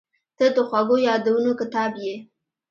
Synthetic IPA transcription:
t̪əd̪əxwaɡojɑd̪awənokɪt̪ɑbje

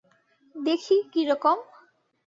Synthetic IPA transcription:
d̪ekʰikiɾɔkom

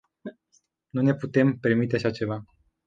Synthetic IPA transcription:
nune̞put̪e̞mpe̞rmit̪̬e̞aʃat͡ʃe̞va

